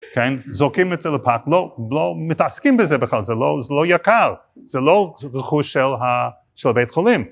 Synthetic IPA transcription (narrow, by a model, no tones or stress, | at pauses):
kʰɛnzokimɛtz̥ɛlˠəpʰaklˠolomɪtaskimbɪzɛbəχlˠalˠzɛloʊzɛloʊjakaʁ | z̥ɛlˠoʊʁəχuʃɛlˠɦa | ʃɛlˠbeɪtχolˠim